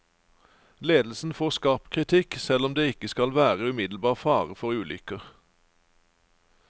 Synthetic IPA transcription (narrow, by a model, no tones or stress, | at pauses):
leːd̪l̩sn̩foːʁskɑːpkʰʁɪt̪ʰɪksɛlɔmd̪eːɪkəskɑlʋæːʁəʉːmɪd̪l̩bɑːʁfɑːʁəfɔʁʉːlʏ̰kəʁ